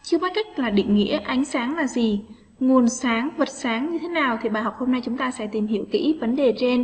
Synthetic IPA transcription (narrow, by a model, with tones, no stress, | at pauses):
t͡ɕɨ˧əɓaː˨˦ka˦˥jk̟̚laː˨˩ɗḭ˧˨ŋ̟ŋːḭ˧˥əʔa˨˦jŋ̟saː˨˦ŋlaː˨˩zi˨˩ | ŋu˨˩ənsaː˨˦ŋvə˨˩t̚saː˨˦ŋɲɨ˧t̪ʰe˨˦naː˨˩wt̪ʰi˨˩ɓaː˨˩jɦa˨˩k͡p̚ho˧mna˧jt͡ɕʊ˨˦ŋ͡mt̪aː˧sɛ̰˧˥t̪i˨˩mhḭ˧˩əwkḭ˧˥və˨˦nɗe˨˩t͡ɕe˧n